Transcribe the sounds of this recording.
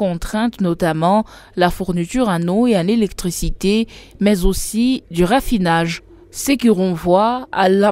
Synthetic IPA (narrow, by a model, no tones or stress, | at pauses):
ɔ̃t̪χɛ̃t̪nɔt̪amɑ̃ | lafuʁnit̪yʁanoealelɛkt̪χisit̪emɛzosid̪yʁafinaʒ | səkiʁɔ̃vwaala